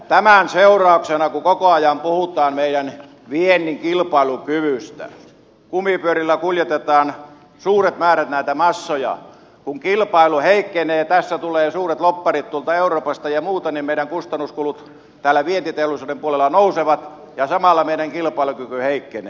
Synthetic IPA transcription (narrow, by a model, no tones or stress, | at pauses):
t̪æmænseurɑˑuksenɑkukokoɑjɑmpuhut̪ˑɑːmmeiɾæn | ʋienːiŋkilpɑilukyʋyst̪æ̰ | kumipyøɾilːækuljet̪et̪ɑːn | suːret̪mæːræt̪næˑit̪æmɑsːojɑ̰ | kuŋkilpɑˑiluheikːeneːt̪æsːæt̪uleːsuːret̪lopːɑrit̪t̪uolt̪ɑeuroːpɑst̪ɑjɑmuːt̪ɑnimmeˑiɾæŋkust̪ɑnːuskulut̪ | t̪æːlːˑæʋient̪it̪eolusuːdempuolelːɑnouseʋɑt̪ | jɑsɑmɑlːɑmeˑiɾæŋkilpɑˑilukykyheikːenḛː